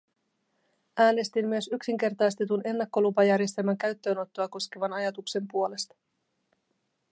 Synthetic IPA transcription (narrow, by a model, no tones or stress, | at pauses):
ʔæːne̞st̪imːyø̞syksiŋk̟e̞rt̪ɑjst̪et̪une̞nːɑkːo̞lupɑjærje̞st̪elmæŋkæɥt̪ːø̞ːno̞t̪ːoɑko̞skeʋɑnɑjɑt̪ukse̞mpuo̞le̞st̪ɑ̥